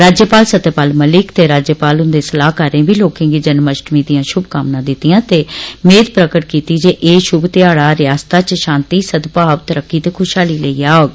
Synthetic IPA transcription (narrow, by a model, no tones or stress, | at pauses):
ɾaːd͡ʒjəpaːlsət̪eːpaːlməlɪkt̪eːɾaːd͡ʒjəpaːlʊ̃nd̪eːsəlaːkəɾẽːbiːloːkẽːɡiːd͡ʒənməʃʈmiːd̪ɪjãːʃʊbkaːmnãːd̪ɪt̪ːɪjãːt̪eːmeːd̪pɾəkəʈ̚kiːt̪iːd͡ʒeːʔeːʃʊbt̪ɪaːɽaːɾɪjaːst̪aːt͡ʃʃãːnt̪iːsəd̪paːʋt̪əɾəkːiːt̪eːkʰʊʃɦaːliːləiːaːoːɡ